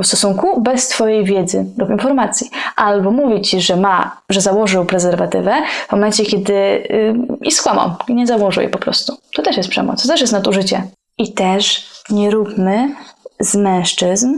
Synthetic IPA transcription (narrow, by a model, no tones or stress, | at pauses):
fst̪ɔsuŋkubɛst̪fɔjejvʲjɛd̪zɘlupinfɔɾmat̪sʲjiʔalbɔmuvʲit͡ɕiʐɛmaʐɛzawɔʐɘwpɾɛzɛɾvat̪ɘvɛvmɔmɛnt͡ɕɛkʲjɛd̪ɘ | ḭskwama̰wiɲɛzawɔʐɨ̰wjɛ̰pɔpɾɔ̰st̪ut̪ɔt̪ɛʂjɛst̪pʂɛ̰mɔ̰st̪ɔt̪ɛʂ̬jɛst̪nad̪uʐɘt͡ɕɛ | ʔit̪ɛʂɲɛɾupmɘz̥mɛ̃w̃ʂt͡ʂɘzm